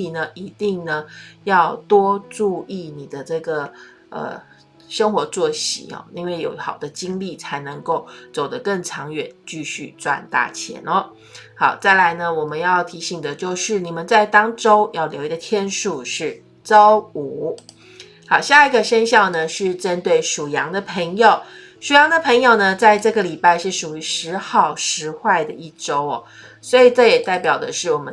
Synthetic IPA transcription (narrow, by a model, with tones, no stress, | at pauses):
i˨˩nə˦ʔi˧˥t̪i˥˩ŋnə˩jɑ˥˩ʊt̪wɔ˥ʈ͡ʂu˥˧i˥˩ni˨˩d̪ə˦ʈ͡ʂɤ˥˩ɡə˩ | ʔə̰˨˩ | ʂə˥ŋxwɔ˧˥t͡swɔ˥˩ɕḭ˨˩˦ɔ̰˨˩i˥nwe˥˩ɪjo˨˩ʊxɑ˨˩ʊd̪ə˦t͡ɕi˥ŋli˥˩t͡sʰa˧˥ɪnɤ˧˥ŋko˥˩ʊt͡so˨˩ʊd̪ə˦kə˥˩ŋʈ͡ʂʰɑ˧˥ŋɥɛ˨˩˦nt͡ɕy˥˧ɕy̰˥˩t͡swa̰˥˧nt̪a̰˥˩t͡ɕʰjɛ̰˧˥nɔ˧˦ | xɑ˨˩ʊt͡sa˥˩ɪla˧˥ɪnə˧wɔ˨˩mə˦njɑ˥˩ʊt̪ʰi˧˥ɕi˨˩ŋd̪ə˦t͡ɕjo˥˧ʊʂɻ̩˥˩ni˨˩mə˦nt͡sa˥˩ɪt̪ɑ˥ŋʈ͡ʂo˥ʊjɑ˥˩ʊljo˧˥ʊi˧ɡə˩t̪ʰjɛ˥nʂu˥˧ʂɻ̩˥˩ | t͡sɑ˥ʊu˨˩ | xɑ˨˩ʊɕja˥˧i˧ɡə˨ʂə˥nɕjɑ˥˩ʊnə˩ʂɻ̩˥˩ʈ͡ʂə˦nt̪we˥˩ɪʂu˨˩jɑ˧˥ŋd̪ə˧pʰə˧˥ŋjo˨˩ʊ | ʂu˨˩jɑ˧˥ŋd̪ə˨pʰə˧˥ŋjo˨˩ʊnə˩t͡sa˥˧ɪʈ͡ʂɤ˥˩ɡə˩li˨˩pa˥˧ɪʂɻ̩˥˩ʂu˨˩y˧˥ʂɻ̩˧˥xɑ˥˩ʊʂɻ̩˧˥xwa˥˩ɪd̪ə˩i˥˩ʈ͡ʂo˥ʊɔ̰˨˩ | swɔ˧˥i˨˩ʈ͡ʂɤ˥˩jɛ˨˩t̪a˥˩ɪpjɑ˨˩ʊd̪ə˦ʂɻ̩˥˩wɔ˨˩mə˦